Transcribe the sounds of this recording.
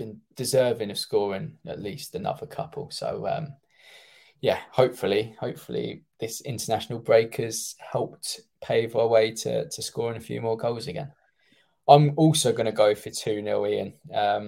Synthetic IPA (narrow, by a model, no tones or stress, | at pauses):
b̥ɪ̃nd̥ɪzɜːvɪ̃ŋəv̥skɔːɹɪ̃ŋə̰ʔliˑstənʌ̰vəkʰʌ̰pʰə̰lˠso̰ʊʌ̰̃m | jæhəʊpfəlihəʊpfəlḭðɪsɪ̰̃ntənaʃənəlˠbɹeɪkʰəz̥hɛlˠp̚tpʰeɪvaɪweɪtʰə̰tʰəskɔːɹɪ̃ŋəfjʉ̰ːmɔːɡəʊlˠzəɡɛ̰̃n | ãɪ̃mɔˑlˠsoʊɡʌñəɡəʊfətʰʉːnɪliə̰̃nʌ̃m